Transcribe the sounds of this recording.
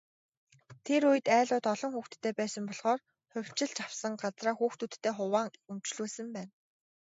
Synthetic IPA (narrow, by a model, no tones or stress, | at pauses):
t̪ʰeɾujɘ̆t̪æːɮʊːt̪ɔɮɞ̆ŋxuːxt̪ʰːeːpæːsə̆mpɔɮʁɔːr | χʊw̥ʲt͡ɕɪ̆ɮt͡ɕawsə̆ŋɢat͡sraːxuːxt̪ut̪ʰːeːχʊwaːŋumt͡ɕɮuːsɘ̆mpæːn